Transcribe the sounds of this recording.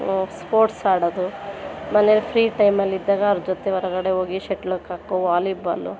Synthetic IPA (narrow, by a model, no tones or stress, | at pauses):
spoːɾʈsaːɽod̪umɐnejɐlːipʰɾiːʈɐjmɐlːid̪ːaːɡɐːɾd͡ʒɔt̪eɔɾɐɡɐɽeɦoːɡiʃeʈlɐkːaːkoʋaːlibɐ̰lṵ